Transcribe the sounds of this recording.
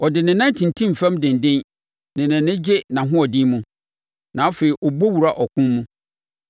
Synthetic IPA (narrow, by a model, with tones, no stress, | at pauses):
ɔ˨dɪ˨nɪ̃˨nã˦n˦tʰĩ˨ntʰĩ˦m̩˨fɛ̃˦mdɪ̃˨ndɪ̃˦n | nɪ̃˨nɪ̃˨nɪ̃˦d͡ʑɪ˦nã˨ɦʊ̃˦ɔ˨dɪ̃˦mũ˦ | nã˨a˦fe˨i˨ʔɔ˨bo˦wu˨ɾa˦ʔɔ˨kʰʊ̃˦mːũ˦